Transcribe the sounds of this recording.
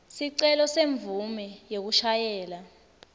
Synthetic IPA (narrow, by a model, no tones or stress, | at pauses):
siǀɛlɔseɱb̪vumɛjek̬uʃajɛːla